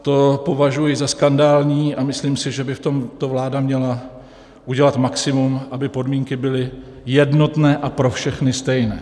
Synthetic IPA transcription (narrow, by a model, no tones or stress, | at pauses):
t̪o̞po̞vaʒujɪzaskandaːlɲiːʔamɪsliːmsɪʒɛbɪft̪o̞mt̪o̞vlaːdamɲɛla | ʔuɟɛlat̪maksɪmumʔabɪpo̞dmiːŋkɪbɪlɪ | jɛdno̞t̪nɛːʔapɾo̞fʃɛxnɪst̪ɛjnɛ̰ː